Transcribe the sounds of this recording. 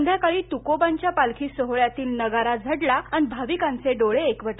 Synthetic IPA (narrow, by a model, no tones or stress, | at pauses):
nd̪ʱjakaɭiːt̪ukobãɲt͡ɕjapalkʰiːsoɦɭjat̪iːlnəɡaɾad͡zʱəɽlaanibʱaʋikãnt͡seɖoɭeːkʋəʈ